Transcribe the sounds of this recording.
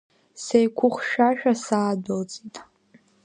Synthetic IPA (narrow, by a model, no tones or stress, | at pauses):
sejkʷʰʊχʷʃᶣaʃᶣasaːdald͡zʼitʼ